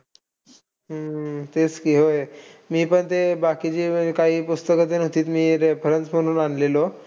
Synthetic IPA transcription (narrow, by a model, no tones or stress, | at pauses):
ət̪et͡skiːɦojmiːpəɳt̪ebakit͡ɕiːkaɦiːpust̪əkət̪enot̪iːt̪miːɾepʰəɾənt͡sm̤əɽ̃uːnanlelo